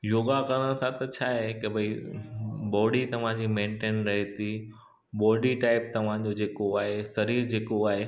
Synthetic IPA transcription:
joːɡakɐɾəɽ̃t̪ʰat̪ɐt͡ɕʰaːɦekɪbʱɐi | bɔːɖit̪ɐʋ̤ãd͡ʑiːmẽːɳʈeːnɾɐɦet̪ʰi | bɔːɖiʈaːɪp̚t̪ɐʋ̤ãd͡ʑod͡ʑeːkoaːɦesɐɾiːɾd͡ʑeːkoaːɦe

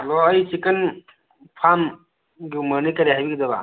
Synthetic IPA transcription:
lɔːjsikən | pʰam | ɡiuməɾnikɐɾiɦajbikid̪ɐba̰

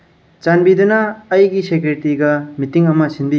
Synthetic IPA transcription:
t͡ʃanbidɐnɐːjɡisekɾetiɡɐmitiŋɐmɐsinbi

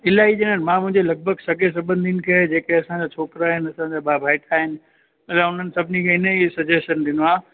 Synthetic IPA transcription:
ɪlaːiɗeːnən̆mãmʊ̃ɦɪ̃ɲd͡ʑelɐɡ̚bʱəɡsɐɡes̬ɐbənɪd̪inɪ̆kʰed͡ʑeːkeɐsãd͡ʑaːt͡ɕʰoːkɾaːɦɪnɐsãd͡ʑaːɓaːbʱaːɪʈʰaːɦɪnɪ̆ | mɐlaʊn̤ənɪ̆sɐbʱɪnikʰẽːɪnəisɐd͡ʑesʃənɗɪnoãː

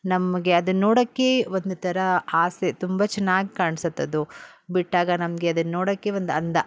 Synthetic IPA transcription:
nɐmɐɡe̞ɐd̪unoːɽɐkːe̞ʋond̪ut̪ʰɐɾɐaːset̪umbɐt͡ʃɛnːaːɡikaːɳsɐt̪ːɐd̪ubiʈːaːɡɐnɐmɐɡe̞ɐd̪ɐnːoːɽɐkːe̞ʋond̪uɐnd̪ɐ

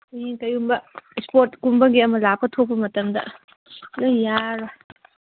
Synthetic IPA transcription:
ɐjiŋkɐjumbɐspoɾt̚kumbɐɡiɐmɐlap̚ɐtʰok̚pːɐmɐtɐmdɐ̰ | laŋjaɾa

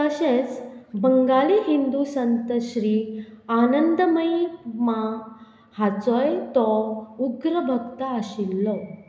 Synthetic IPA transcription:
əɕẽt͡sbəŋɡaliɦind̪usənt̪əɕɾianənd̪əməjma | hat͡sɔjt̪ɔuɡɾəbʱəɡt̪aəɕilːɔ

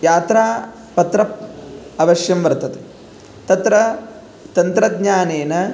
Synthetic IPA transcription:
jaːt̪ɾaː | pɐt̪ɾɐ | ɐʋɐʃjɐmʋɐɾt̪ɐt̪e | t̪ɐt̪ɾɐ | t̪ɐnt̪ɾɐd̪ɲaːneːnɐ

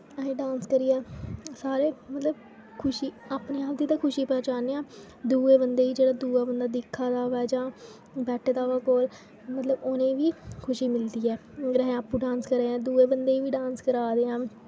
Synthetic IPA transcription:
əɦẽːɖãːnskəɾiːɛːsaːɾeːmət̪ləb | kʰʊʃiːaːpneːaːp̚d̪iːt̪ãːkʰʊʃiːpɛːt͡ʃaːneːãː | d̪uːeːbənd̪eːiːd͡ʒeːɽaːd̪uːaːbənd̪aːd̪ɪkʰːaːd̪aːʋɛːd͡ʒãː | bɛːʈʰːd̪aːʋaːkoːl | mət̪ləboːnẽːʋiːkʰʊʃiːmɪld̪iːɛːɾəɦɛ̃ːaːpuɖãːnskəɾeːãːd̪uːeːbənd̪eːiːʋiːɖãːnskəɾaːd̪eːãː

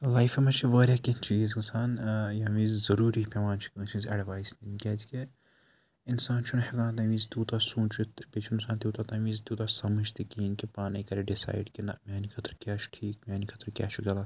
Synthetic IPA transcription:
lajfemɐt͡ʃʰiʋəːɾʲjaːkinʲt͡ʃiːzksaːnjaːʋiːzzɐɾuːɾipʲeʋaːnt͡ʃʰi̥kɐt͡ʃʰizɐɖʋaːjsninkʲɛzike | insaːnt͡ʃʰunheɡãːnt̪ɐʋiːzt̪uːt̪asũːt͡ʃit̪bet͡ʃʰinsaːnt̪ut̪at̪ɐʋiːzt̪ut̪asɐməd͡ʒt̪ikiːnkipaːnɐjkɐɾeɖisa̰ːjɖkina̰mʲaːnikʰɐt̪ʰɾkʲaːt͡ʃʰu̥ʈʰiːk̚mʲjaːnikʰɐt̪ʰɾkʲa̰ːt͡ʃʰuɡʲɐlaː

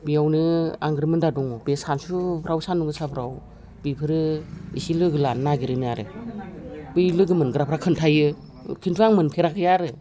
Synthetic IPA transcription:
bijawnɯaŋɡɾɯmɯndadɔŋɔbesansupʰɾawsanuŋɡɯsapʰɾaw | bipʰɯɾɯḭsilɯɡɯlannaɡiɾɯnɯjaɾɯ̰ | b̥ɯjlɯɡɯmɯnɡɾapʰɾakʰɯntʰajɯ | kʰintʰuaŋmɯnpʰeɾakʰɯjaɾɯ

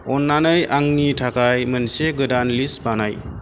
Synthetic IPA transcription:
ɔnːanɯjaŋnitʰakajmənseɡɯdanlisbanaj

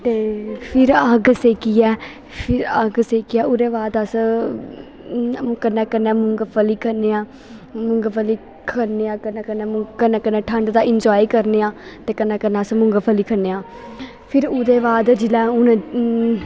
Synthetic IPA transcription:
t̪eːpʰɪɾəɡseːkiːɛː | pʰɪɾəɡseːkiɛːʊd̪eːbaːd̪əs | kənːɛːkənːɛːmʊŋɡəpʰəliːkʰəneːãː | mʊŋɡpʰəliː | kʰəɾneːãːkənːɛːkənːɛ̃ːkənːɛ̃ːkənːɛ̃ːʈʰə̃ɳɖd̪aːɪnd͡ʒaːiːkəɾneːãːt̪eːkənːɛ̃ːkənːɛːəsmʊŋɡəpʰəliːkʰənːeːãː | pʰɪɾʊd̪eːbaːd̪d͡ʒɪlɛ̃ːʊn

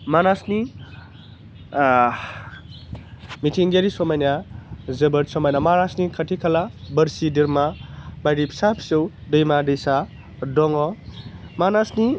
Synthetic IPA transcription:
manasni | mitʰiŋɡeɾisɔmajnjazɐbɐtsɔmajnamaɾasnikʰɐtʰikʰalabəɾsidiɾmabajɾipʰi̥sapʰi̥sɔwdɯjmadejsa | dɔŋɔ | manasni

